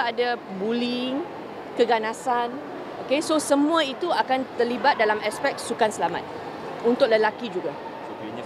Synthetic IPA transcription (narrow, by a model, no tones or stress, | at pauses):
adabuliŋ | kəɡanasan | okesosəmũait̪uakant̪ərlibat̪̚dalamaspɛk̚sukansəlama̰t̪̚ | unt̪ʊk̚ləlakid͡ʒuɡa